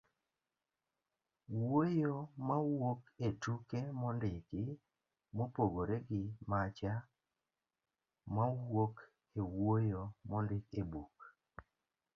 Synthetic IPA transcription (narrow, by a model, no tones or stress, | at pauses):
wojomawoketukemɔndɪkɪ | mopoɡoɾeɡɪmat͡ʃa | mawok | ewojomɔndɪkebuk